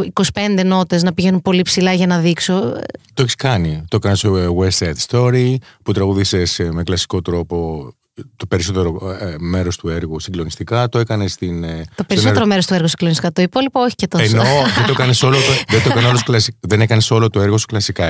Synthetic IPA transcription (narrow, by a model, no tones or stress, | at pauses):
ikosi̥pe̞nd̪e̞no̞t̪e̞znɐpiʝe̞nunpo̞lipsilɐʝɐnɐðikso̰t̪oeçi̥skɐnit̪oekɐnesowebsɐjt̪st̪o̞ɾiput̪ɾɐɣuðisesmeklɐsi̥ko̞t̪ɾo̞po̞ | t̪o̞pe̞ɾiso̞t̪eɾome̞ɾo̞st̪ueɾɣusiŋɡlo̞nist̪ikɐt̪oekɐnest̪int̪opeɾisoeɾomeɾost̪ueɾɣosi̥ɡlonisi̥kɐt̪o̞ipo̞lipooçi̥cet̪oenoðeoekɐneso̞lot̪oðent̪okɐneolosklɐsiðenekɐneso̞lot̪oeɾɣosu̥klɐsikɐ